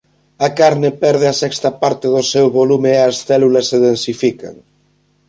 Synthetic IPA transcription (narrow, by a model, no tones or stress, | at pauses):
ɐkaɾnepɛɾðeɐsɛkst̪ɐpaɾt̪eðosewβolumeːɐsθɛlulɐsːeðensifika̰ŋ